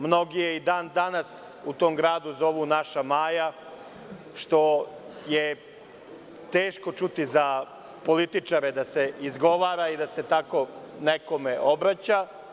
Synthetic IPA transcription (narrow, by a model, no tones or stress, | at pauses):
mno̞ɡijeid̪aːnd̪anas | ut̪oːmɡɾaːd̪uzo̞ʋunaʃamaːja | ʃt̪o̞je | t̪eːʃkot͡ʃut̪iza | po̞lit̪it͡ʂaɾed̪aseizɡo̞ʋaːɾaid̪ase̞t̪ako̞neko̞meʔobɾat͡ɕa